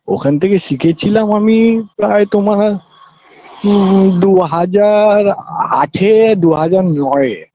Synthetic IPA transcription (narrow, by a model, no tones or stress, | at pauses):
o̰kʰant̪ʰekeʃikʰet͡ɕʰilamamipɾaet̪oma | d̪uɦad͡ʑaɾa̰ʈʰed̪uɦad͡ʑaɾnɔe